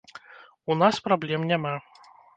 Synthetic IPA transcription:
unaspɾablʲɛmnʲama

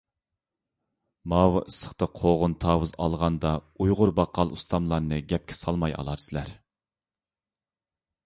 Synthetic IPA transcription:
mɑːwɑʔisə̥χt̪ɨqʰoʁʊnt̪ʰɑːwɨzɑ̰lˠʁɑnd̪ɑujʁʊɾbɑqʰɑlˠust̪ʰɑmlˠɑɾnɨɡʲɛp̚kʲʰɪ̥sɑlˠmɑjɑ̰lˠɑɾsɨlæɾ

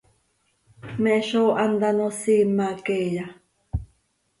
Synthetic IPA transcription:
meʃoʔand̪anosimːakeja

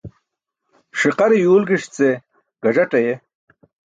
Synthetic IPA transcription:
ʂiqɑɾijuːlɡiʂt͡se | ɡ̥ɐd͡ʑɐʈɐje

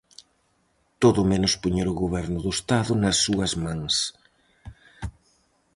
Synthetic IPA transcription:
t̪oðʊmenʊspuɲeɾʊɣoβɛɾnʊðʊest̪aðʊnɐsːuɐzmãŋs

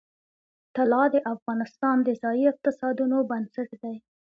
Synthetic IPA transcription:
t̪alɑd̪əʔafɣɑnɪst̪ɑnd̪əzɑjiɪq̚t̪ɪsɑd̪unobansɪʈd̪aj

